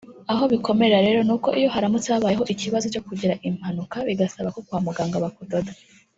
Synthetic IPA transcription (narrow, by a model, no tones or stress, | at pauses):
aɦo̞βiko̞me̞ɾeɾaɾe̞ːɾo̞nuːko̞ʔijo̞ɦaɾamutaːβaːjeɦo̞ʔiciβazot͡ʃo̞kuɟiɾaʔim̥hanukaβiɡasaβako̞kwaːmuɡaːŋɡaβakudoda